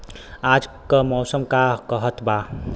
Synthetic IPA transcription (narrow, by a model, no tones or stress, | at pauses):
aːd͡ʒkəmɔːsəmkakəɦət̪ba